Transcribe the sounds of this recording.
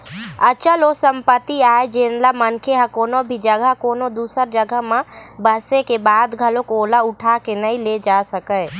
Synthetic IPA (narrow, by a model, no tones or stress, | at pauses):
ət͡ʃəlosəmpət̪iaed͡ʒenlamənkʰeɦə̃koːnobʱid͡ʒəɡʱəɦkoːnod̪usəɾd͡ʒəɡʱəɦmẽbəsekebad̪ɡʱəlokoːlauʈʰakenəĩled͡ʒasəkəj